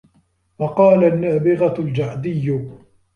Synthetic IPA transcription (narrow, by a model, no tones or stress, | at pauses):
wɑqɑːlanːaːbɪɣald͡ʒaʕd̪ɪjːʊ